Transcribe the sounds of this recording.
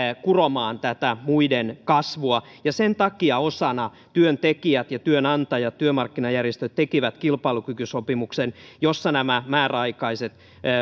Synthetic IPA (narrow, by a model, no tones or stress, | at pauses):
kuromɑːnt̪æt̪æmuidenkɑsʋuɑ | jɑsent̪ɑkiɑosɑnɑ | t̪yønt̪ekiæt̪jɑt̪yønɑnt̪ɑjɑt̪t̪yømɑrkːinɑjærjest̪øt̪t̪ːekiʋæt̪kilpɑilukykysopimuksenjosːɑnæmæmæːræɑikɑiset̪ː